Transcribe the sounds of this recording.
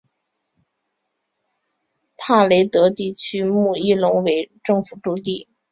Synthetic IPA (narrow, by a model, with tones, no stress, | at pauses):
t̪ʰa˥˩le˧˥ɪt̪ɤ˧˥t̪i˥˩t͡ɕʰy˥mu˥˩i˥˩lʊ˧˥ŋwe˧˥ɪʈ͡ʂɤ˥˩ŋfu˨˩ʈ͡ʂu˥˧t̪i˥˩